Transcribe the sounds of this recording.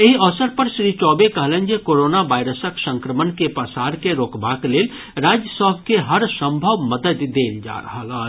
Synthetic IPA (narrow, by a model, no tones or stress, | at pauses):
eɦiəʋsəɾpəɾsɾit͡ʃɔːbekəɦlə̃nd͡ʒekoɾonaʋaːɪɾəsəksə̃ŋkɾəmənkepəsaɾkeɾoːkbakleːl | ɾad͡ʒjəsəbʱkeɦəɾsə̃mbʱəʋməd̪əd̪ːeld͡ʒa̰ɾə̰ɦələ